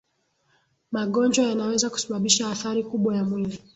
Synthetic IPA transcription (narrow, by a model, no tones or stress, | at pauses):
maɠɔnd͡ʒwajanawɛzaku̥saɓaɓiʃaːθaɾikuɓwajamwili